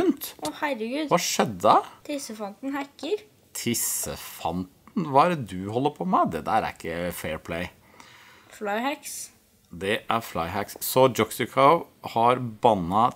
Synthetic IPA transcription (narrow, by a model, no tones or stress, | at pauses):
ʉnt̪ɔhæɾːəɡʉːd̪ʋɑʂɛd̪ːət̪ʰɪsəfɑnt̪n̩hækːəɾ | t̪ʰɪsə̰fɑnt̪n̩ʋɑæɾd̪ʉɦɔlːəɾpʰɔmæɪd̪ɛd̪æɾæ̰ɾɪkːəfeːɹpʰleɪ | flɑɪhæks | d̪ɛʔæɾflɑɪɦækssɔd͡ʒɔksɪkʰɑʊ | hɑɾbɑnːɑ